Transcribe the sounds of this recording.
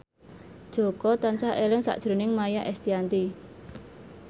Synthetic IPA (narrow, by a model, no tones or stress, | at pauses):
d̥ʒ̥o̤kɔt̪ansaʔelɪŋsa̰ʔd̥ʒ̥ɾo̤nɪŋmajaʔɛst̪iant̪i